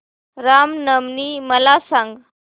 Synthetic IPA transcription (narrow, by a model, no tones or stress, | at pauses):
ɾamnəmniːməlasãŋɡ